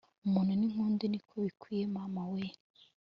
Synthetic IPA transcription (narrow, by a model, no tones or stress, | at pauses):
umuːn̥uniŋ̥uːndinikʰoβikwijemaːmawen